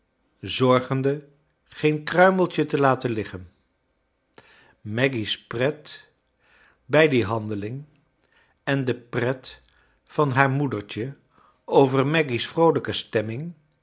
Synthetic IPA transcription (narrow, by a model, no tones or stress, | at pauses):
zɔɹχəndə | χejnkrœɥməlˠtətəlaːtənlɪχən | mɛɡisprɛt | bɛjdiɦɑndəlɪŋ | ɛndəprɛt | fɑnɦaːɹmudəɹt͡ʃə | owvəɹmɛɡisfrowləkəstɛmɪŋ